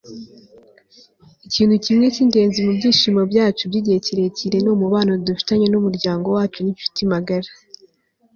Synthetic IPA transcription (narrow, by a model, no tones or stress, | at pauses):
iciːnhucimŋe̞cinde̞ːnzimubɟiːʃiːmobɟaːt͡ʃubɟiɟiheciɾeciɾe̞noːmuβaːnodufi̥taɲenumuɾɟaːŋɡo̞waːt͡ʃunifu̥timaɡaɾa